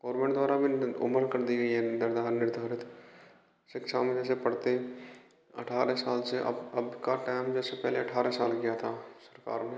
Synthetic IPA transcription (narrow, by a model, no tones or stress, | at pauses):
ɡoːɾmẽːɳʈd̪waːɾabʱiʊ̰məɾkɐɾd̪iɡəiɦɛnd̪əɾd̪ʱaːɾnɪɾd̪ʱaːɾɪt̪ | ʃɪkʃamẽd͡ʒɛːsepɐɽt̪eɛ̃ | ɐ̰ʈʰaːɾesaːlseʔɐ̰ɐbkaʈaːɪmd͡ʒɛːsepɛɦleɐʈʰaːɾɛsaːlkijat̪ʰasəɾka̰ːɾne